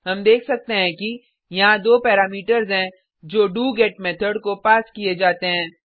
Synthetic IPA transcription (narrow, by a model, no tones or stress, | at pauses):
ɦɐmd̪eːkʰsɐk̚t̪eɦɛ̃ki | jɐɦãd̪oːpɛːɾaːmiːʈəɾzɦɛ̃ | d͡ʒoːɖuːɡeːʈmɛːt̪ʰəɖkopaːskied͡ʒaːt̪eɦɛ̃ː